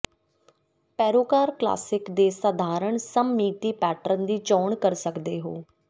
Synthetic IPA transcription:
pɛːɾoːkaːɾkla̰ːsɪkd̪eːsəd̪ʱaːɾəɳsəmːiːt̪iːpɛːʈəɾənd̪iːt͡ʃɔːɳkəɾsəkd̪eːɦoː

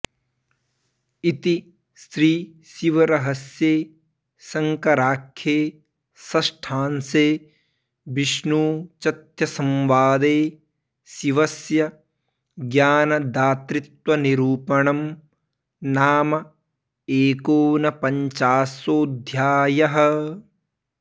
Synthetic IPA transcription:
it̪i | st̪ɾiː | siʋɐɾɐɦɐsjeː | sɐŋkɐɾaːkʰːjeː | sɐsʈʰaːnseː | biʃnuːt͡ʃɐt̪jɐsɐmʋaːd̪eː | siʋɐsjɐ | ɡjaːnɐd̪aːt̪ɾit̪wɐniɾuːpɐɳɐm | naːmɐ | eːkoːnɐpɐɲt͡ʃaːsoːd̪ʱjaːjɐɦɐ̆

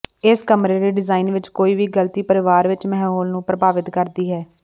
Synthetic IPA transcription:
ɪskəmɾeːd̪eːɖɪzaːiːnʋɪt͡ʃkoːiːʋiːɡəlt̪iːpəɾɪʋaːɾʋɪt͡ʃmɛɦoːlnũːpɾəbaːʋɪt̪kəɾd̪iːɦɛː

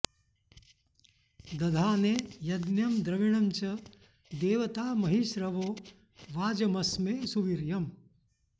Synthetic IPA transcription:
d̪ɐd̪ʱaːneːjɐd̪njɐmd̪ɾɐʋiɳ̃ɐmt͡ʃɐ | d̪eːʋɐt̪aːmɐɦiʃɾɐʋoː | ʋaːd͡ʒɐmɐsmeːsuʋiɾjɐm

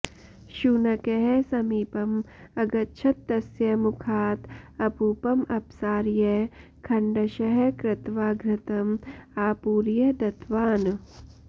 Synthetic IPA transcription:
ʃunɐkeɦesɐmiːpɐm | ɐɡɐtːʃʰɐt̪ːɐsjɐmukʰaːt̪ɐpuːpɐmʔɐpsaːɾjɐ | kʰɐɳɖɐʃɐɦɐkɾɪt̪ʋaːɡɾɪt̪ɐmaːpuːɾjɐd̪ɐt̪ʋaːn

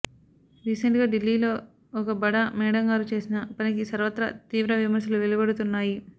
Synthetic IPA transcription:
ɾiːseɳʈ̚ɡaːɖilːiːlo̞ː | ɔkɐbɐɽɐmɛːɽɐŋɡaːɾut͡ʃe̞ːsinɐpɐnik̬isɐɾʋɐt̪ɾɐ̰t̪iːʋɾɐʋimɐɾsɐluʋelubɐɽut̪unːaːji

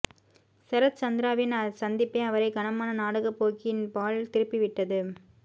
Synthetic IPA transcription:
sɛɾɐt̪̚t͡ʃɐnd̪ɪɾaːʋɪnɐsɐnd̪ɪpːeːɐʋɐɾɐɪɡɐnɐmaːnɐnaːɽɐɣɐpːoːkɪnpaːɭt̪ɪɾɯpːɪʋɪʈːɐðɯ

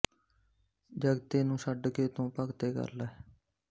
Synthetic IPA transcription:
d͡ʒəɡt̪eːnũːsəɖkeːt̪õːpəkt̪eːkə̰ɾla

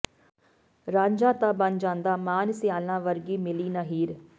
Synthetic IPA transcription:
ɾãːɲd͡ʒãːt̪aːbənd͡ʒãːnd̪aːmaːnsɪjaːlãːʋəɾɡiːmɪliːnaːɦiːɾ

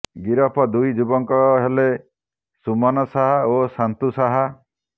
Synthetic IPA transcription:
ɡiɾɔpʰɔd̪ujd͡ʒubɔŋkɔɦele | sumɔnɔsaɦaosant̪usaɦa

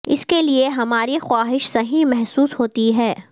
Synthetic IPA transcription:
ɪskelieɦɐmaːɾixwaːɦɪʃsɐɦĩmɛɦsuːshoːt̪iɦɛː

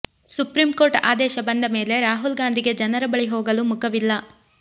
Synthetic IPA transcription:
supɾimko̞ːɾʈa̰ːd̪ɛːʃɐbɐnd̪ɐme̞ːle̞ɾaːɦulɡaːnd̪ʱiɡe̞d͡ʒɐnɐɾɐbɐɭiɦoːɡɐlumukʰɐʋilːɐ

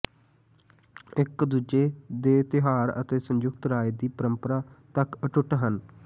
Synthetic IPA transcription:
ɪkd̪uːd͡ʒeːd̪eːt̪ɪɦaːɾə̰t̪eːsəɲd͡ʒʊɡ̚t̪ɾaːed̪iːpəɾəmpəɾaːt̪əkəʈʊʈɦən

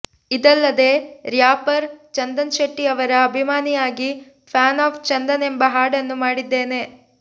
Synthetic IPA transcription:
id̪ɐlːɐd̪e̞ːɾjaːpɐɾt͡ʃɐnd̪ɐnʃɐʈːiɐʋɐɾɐːbʱimaːnijaːɡi | pʰaːnaːft͡ʃɐnd̪ɐnembɐɦaːɽɐnːumaːɽid̪ːe̞ːne̞

